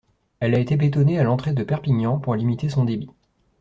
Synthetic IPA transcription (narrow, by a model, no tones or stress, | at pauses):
ɛlaet̪ebet̪ɔnealɑ̃t̪χed̪əpɛʁpiɲɑ̃puʁlimit̪esɔ̃d̪ebi